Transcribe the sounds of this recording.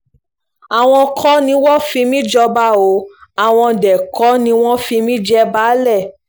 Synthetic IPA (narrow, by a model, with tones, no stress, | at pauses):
a˨w̃ɔ̃˧kʰɔ˦nĩ˧˦wɔ˦fi˧mĩ˦d͡ʒɔ˧ba˦o˨˦a˨w̃ɔ̃˧dɛ˨kɔ˨˦nĩ˧˦w̃ɔ̃˦fi˧mĩ˦d͡ʒɛ˧ba˨˦lɛ˦˨